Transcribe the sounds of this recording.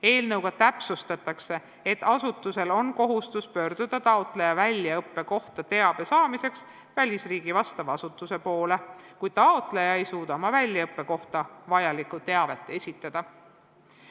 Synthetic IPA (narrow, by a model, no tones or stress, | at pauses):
e̞ːlnɤwɡ̥ɑt̪æpsust̪ɑt̪ːˑɑkse̞ | et̪ːˑɑsut̪ːˑuse̞lo̞nko̞ɦust̪uspø̞ːrd̪̥ud̪̥ɑt̪ɑot̪ˑle̞jɑvælʲjɑɤpˑːe̞ko̞ht̪ɑt̪e̞ɑb̥e̞sɑːmise̞ks | vælʲisriːɡ̥ivɑst̪ɑvɑsut̪ːˑuse̞po̞ːle̞kujd̪̥t̪ɑot̪lejɑejsuːd̪̥ɑmɑvælʲjɑɤpːe̞ko̞ht̪ɑvɑjɑlikut̪e̞ɑve̞t̪ːˑe̞sʲit̪ːˑɑd̪̥ɑ